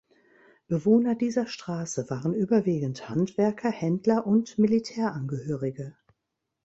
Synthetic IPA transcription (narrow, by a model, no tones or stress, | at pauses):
b̥əvoːnɐdiːzɐʃtʁ̥aːsəvaːʁənʔyːbɐviːɡn̩thantv̥ɛɐkʰɐhɛndlɐʔʊntmilitʰɛːɐʔanɡəhøːʁɪɡə